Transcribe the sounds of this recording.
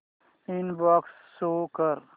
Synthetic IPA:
inbɔːksːoːkəɾ

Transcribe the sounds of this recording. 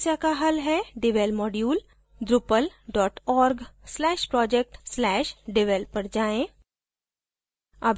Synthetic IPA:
sjakaɦɐlɦɛɖɪʋelmɔːɖjuːl | d̪ɾʊpəlɖɔːʈɔːɾɡslɛːʃpɾɔːd͡ʒek̚ʈslɛːʃɖɪʋelpːəɾd͡ʒaːẽː | ɐbʱ

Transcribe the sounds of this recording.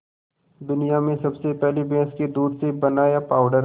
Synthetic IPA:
d̪ʊnijamẽsɐbsepɛɦlibɛ̃ːsked̪uːɖsebɐnaːjapaːʊɖəɾ

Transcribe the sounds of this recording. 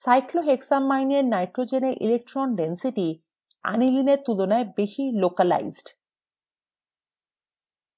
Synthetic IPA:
sajkloɦeksamːajneɾnajʈɾod͡ʑeneɾʔḭlek̚ʈɾɔnɖensiʈi | a̰nilineɾt̪ulonaebeʃilokala̰jzɖ

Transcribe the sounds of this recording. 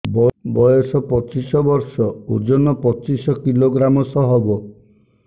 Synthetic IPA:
bɔbɔjɔsɔpɔt͡ʃisɔbɔɾsɔud͡ʒɔnɔpɔt͡ʃisɔkiloɡɾamɔsɔɦɔbɔ

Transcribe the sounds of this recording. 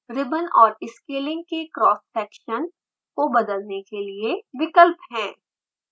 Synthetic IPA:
ɾɪbənɔːɾɪskeːlɪ̃ŋɡ̚kekɾɔːsfɛːkʃən | kobɐd̪əlnekelieʋɪkəlpɦɛ̃ː

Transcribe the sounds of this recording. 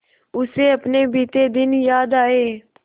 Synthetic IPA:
ʊseːəpneːbiːt̪eːd̪ɪnjaːd̪aːeː

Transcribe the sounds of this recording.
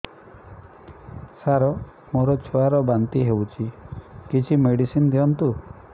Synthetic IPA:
saɾɔ | moɾɔt͡ʃʰoaɾɔbant̪iɦewt͡ʃʰikit͡ʃʰimeɽisind̪iɔnt̪u

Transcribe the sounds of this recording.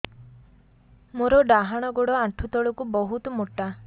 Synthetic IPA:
moɾɔɖaɦaɽ̃ɔɡoɽɔaʈʰut̪ɔɭɔkubɔɦut̪ɔmoʈːa

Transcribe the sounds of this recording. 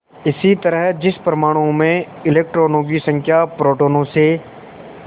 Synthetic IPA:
ɪsit̪ɐɾəɦd͡ʒɪspɾɐmaːɽ̃õmẽ | ɪleːk̚ʈɾoːnõɡ̬isɐ̃ŋkʰjapɾoːʈoːnõse

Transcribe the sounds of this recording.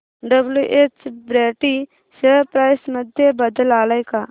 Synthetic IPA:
ɖəbljuʔeːt͡ʃbɾeːʈi | səpɾaːɪsməd̪ʱjebəd̪əlaːləjkaː

